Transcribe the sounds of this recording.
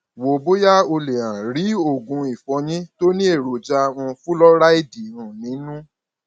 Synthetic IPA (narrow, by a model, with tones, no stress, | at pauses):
wo˨bo˦ja˦o˧le˨ã˨ɾi˨˦o˦˨ɡũ˧i˨fɔ̃˨˧ɲĩ˦to˦nĩ˦e˦˨ɾo˨d͡ʒa˦˧w̃ɔ̃˧fũ˦lɔ˦ɾa˦i˦˨di˨ũ˨nĩ˨˦nũ˦